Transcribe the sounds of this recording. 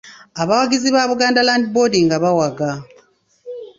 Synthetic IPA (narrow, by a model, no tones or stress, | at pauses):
aβawaɡiziβaβuɡaːndalaːndibodiŋɡaβawaɡa